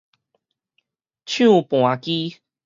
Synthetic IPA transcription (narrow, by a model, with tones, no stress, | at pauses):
t͡ɕʰjũ˥˧˨pw̃ã˨˩ki˦